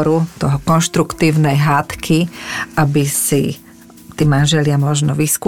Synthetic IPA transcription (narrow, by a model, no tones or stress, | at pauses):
ɾut̪ɔɦɔkɔnʃt̪ɾukt̪iːʊnɛjɦaːt̪kʰiʔabisi | t̪iːmanʒɛlɪamɔʒnɔʋiskː